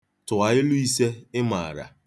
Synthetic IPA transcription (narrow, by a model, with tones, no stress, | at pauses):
tʊ˨a˨ɪ˦lʊ˦i˦se˦ɪ˦ma˨ɾa̰˨